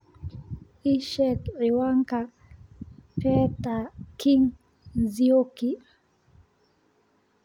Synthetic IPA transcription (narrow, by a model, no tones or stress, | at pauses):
iʃɛtɾiwaŋka | pɛt̪akiŋ | zioki